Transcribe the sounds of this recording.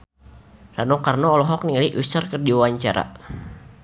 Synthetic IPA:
ranokarnɔɔlɔɦɔk̚niŋaliʔusərkərdiwawaɲt͡ʃaɾa̰

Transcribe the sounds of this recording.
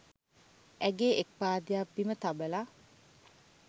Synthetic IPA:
æɡeek̚paːd̪ijapːimət̪abəla

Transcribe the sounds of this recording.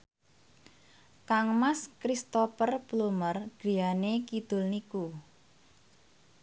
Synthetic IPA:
kaŋmaskɾist̪ofərplumərɡ̥i̤janekid̪̥ʊ̤lniku

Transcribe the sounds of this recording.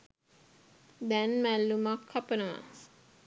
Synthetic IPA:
d̪ɛnmælːumakʰːapənəʋa̰

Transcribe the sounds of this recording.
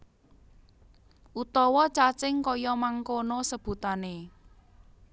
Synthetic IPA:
ʔut̪ɔwɔt͡ʃat͡ʃɪŋkɔjɔmaŋkonosəb̥ṳt̪ane

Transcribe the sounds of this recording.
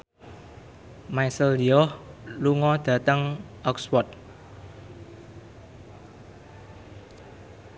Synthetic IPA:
maisəldiɔhluŋɔd̪̥ä̤t̪əŋʔɔkswɔt̪̚

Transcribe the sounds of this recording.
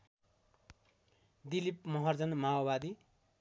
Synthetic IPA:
d̪ilipmʌɦʌrd͡zʌnmaobad̪i

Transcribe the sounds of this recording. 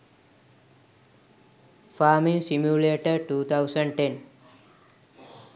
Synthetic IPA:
famĩŋsimjuleʈəʈuːt̪ʰawsəɳɖʈẽn

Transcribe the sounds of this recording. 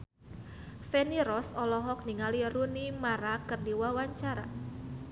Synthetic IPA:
fɛniɾɔsɔlɔɦɔk̚niŋalirunimaɾakɨrdiwawaɲt͡ʃaɾa̰

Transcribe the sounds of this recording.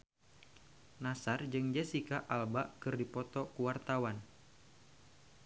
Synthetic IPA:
nasard͡ʒɨŋd͡ʒasikaʔalbaʔkɨrdipɔt̪ɔkuwart̪awan

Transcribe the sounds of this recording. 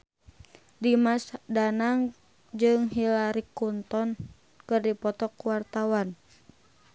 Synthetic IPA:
dimasdanaŋ | d͡ʒɨŋɦilaɾikunt̪ɔn | kɨrdipɔt̪ɔkuwart̪awan

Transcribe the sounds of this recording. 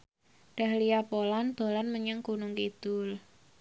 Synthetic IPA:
ɖ̥a̤hlijapolanb̥o̤lanməɲaŋkunʊŋkid̪̥ʊl

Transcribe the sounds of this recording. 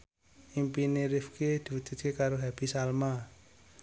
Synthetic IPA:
impineɾɪfked̪̥i̤wud͡ʒ̪̥ṳt̪̚kekaɾoɦab̥i̤salma

